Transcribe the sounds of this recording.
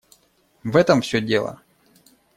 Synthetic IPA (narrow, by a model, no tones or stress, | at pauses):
ʋɛt̪ɐmfsʲɔdʲelˠɐ̰